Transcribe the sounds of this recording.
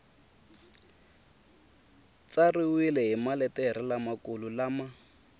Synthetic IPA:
t͡sariwilɛɦimalɛtɛɾɪlamakululama

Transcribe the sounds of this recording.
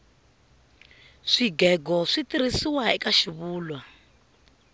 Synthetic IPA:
ʂiɡɛɡɔʂitiɾisiwaikaʃiβuːlwa

